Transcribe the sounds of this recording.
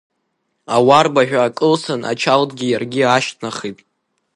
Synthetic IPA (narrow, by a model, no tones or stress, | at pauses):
awarbaʒᶣʷaːkʼɨlsana̰t͡ʃʰaldʼɡʲijarɡʲiaʃtʰnaχijpʼ